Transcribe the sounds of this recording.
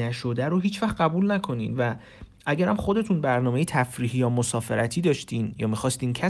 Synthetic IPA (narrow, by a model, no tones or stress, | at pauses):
æʃod̪æɾoɦiːt͡ʃvæχɢæbuːlnækʰo̞niːd̪væ | ʔæɟæɾæmχo̞d̪e̞t̪ʰuːnbæɾnɒːmejet̪ʰæfɾiːɦijɒːmosɒːfe̞ɾæt̪ʰiːd̪ɒːʃt̪iːnjɒːmixɒːst̪iːncʰæ